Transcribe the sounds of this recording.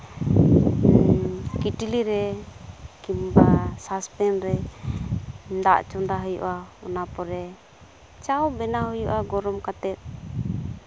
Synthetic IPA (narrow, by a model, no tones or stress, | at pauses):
kiʈiliɾɛ | kimbasaspɛnɾɛ | d̪a̰ʔt͡ʃɔnd̪aɦəjṵʔaɔnapɔɾɛ | t͡ʃawbɛnaɦujuʔaɡɔɾɔmkat̪ɛt̪̚